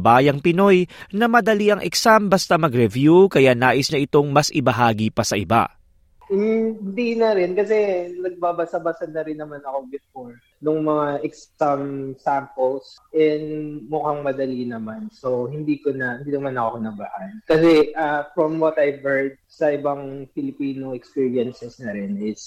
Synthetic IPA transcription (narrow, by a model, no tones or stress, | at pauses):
baːjɐŋpɪno̞jnɐmɐd̪ɐliʔɐŋʔɛ̰ksambɐst̪amɐɡɾɛvjukɐjanaːʔɪsnɐʔɪt̪o̞ŋmɐsʔɪbɐɦaːɡipɐsɐʔɪba̰ | hɪnd̪inɐɾɛnkɐsɛnɐɡ̚babɐsɐbɐsɐd̪ːɐɾɪnːɐmanɐko̞bɪfoɹ | nʊŋmɐŋaʔɛkssɐmsampɛlsʔɛnd̪mʊkaŋmɐd̪ɐlinɐmansohɪnd̪iːkonɐhɪnd̪iːnɐmanɐkokonɐbahankɐsɛʔafɹɐmwɐt̪ɐjvhɛɹd̪̚sɐʔɪbaŋfɪlɪpiːnoŋɛkspiɹiɐnsɛsnɐɾɪnɪs